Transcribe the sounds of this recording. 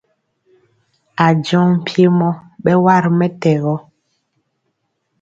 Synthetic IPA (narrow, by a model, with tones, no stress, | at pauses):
a˨d͡ʒɔ̃˦m˨pje˦mɔ˦ɓɛ˦wa˦˨ɾmɛ˦tɛ˨ɣɔ˦